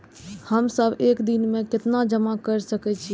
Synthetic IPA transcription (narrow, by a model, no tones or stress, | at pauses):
həmsəbekd̪inmẽket̪nad͡ʒəmakəɾsəkɛt͡ʃʰi